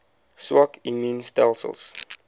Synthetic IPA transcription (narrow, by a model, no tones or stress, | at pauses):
swɔkĩnmĩnstɛlsə̰lˠs